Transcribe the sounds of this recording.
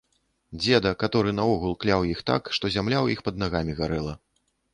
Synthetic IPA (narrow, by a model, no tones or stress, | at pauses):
d͡zʲɛd̪ɐkat̪ɔɾɨnɐɔɣulˠklʲawjixt̪a̰kʂt̪ɔzʲamlʲawjixpɐd̪̚naɣamʲiɣaɾɛlˠɐ